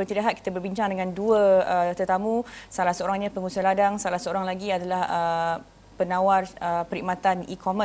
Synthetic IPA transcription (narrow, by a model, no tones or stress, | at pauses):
bət̪idaɦat̪̚kit̪abərbiɲt͡ʃaŋdəŋãnduəət̪ərt̪amũsalahsəoɾaŋɲãpəŋusaladaŋsalahsəoɾaŋlaɡiadalahə | pənãwarəpəɾiʔmat̪anikʰomə